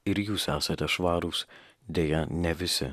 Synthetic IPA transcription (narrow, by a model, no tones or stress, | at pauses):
ɪɾjuːsæːsɐt̪ʲɛʃʋɑːɾuːs | d̪ʲeːjɛnʲɛʋʲɪsʲɪ̰